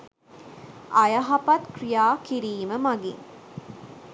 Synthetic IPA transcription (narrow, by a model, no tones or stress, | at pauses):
ʔɐjɐɦɐpɐt̪kɾijaːkiɾiːməmɐɡḭŋ